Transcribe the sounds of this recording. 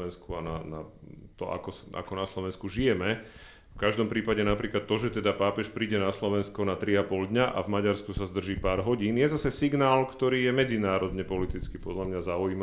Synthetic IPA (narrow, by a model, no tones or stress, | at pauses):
ɛnskuananat̪ɔ̰ʔa̰kɔsa̰kɔnaslɔʋɛnskuʒijɛmɛ | fkaʒd̪ɔmpɾiːpaɟɛnapɾiːklat̪ːɔʒɛt̪ɛd̪apaːpɛʃpɾiːɟɛnaslɔʋɛnskɔnat̪ɾiapɔld̪ɲaʔa̰vmaɟaɾskusazd̪r̩ʒiːpaːɾɦɔɟiːnjɛzasɛsiɡnaːlkt̪ɔɾiːjɛmɛd͡zinaːɾɔd̪ɲɛpɔlit̪it͡skipɔd̪ʎamɲazaujiːma